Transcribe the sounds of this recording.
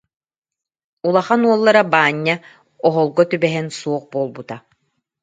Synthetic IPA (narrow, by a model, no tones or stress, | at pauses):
ulˠaχanuɔlˠːaɾabaːɲːa | ɔɦɔlˠɡɔt̪ybɛɦɛnsuɔq̚boːlˠbut̪a